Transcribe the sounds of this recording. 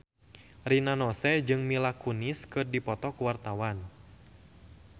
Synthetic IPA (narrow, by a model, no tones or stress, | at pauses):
rinanɔsɛd͡ʒɨŋmilakuniskɨrdipɔt̪ɔkuwart̪awan